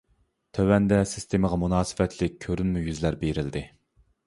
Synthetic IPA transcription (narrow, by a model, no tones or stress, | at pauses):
t̪ʰøwɛnd̪ɛsɪ̥st̪ʰeməʁɑmunɑːsɪ̥vɛt̪ʰlɪk̚ʲkʲʰøɾynmujyzlæɾbeɾɪld̪ɪ